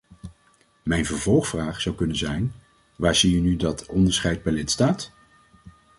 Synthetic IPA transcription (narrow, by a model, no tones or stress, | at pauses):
mɛjnvəɹvɔlˠχfraːχsɑwkɵnənzɛjn | ʋaːɹzijənydɑtɔndəɹsχɛjd̚bɛjlɪtstaːt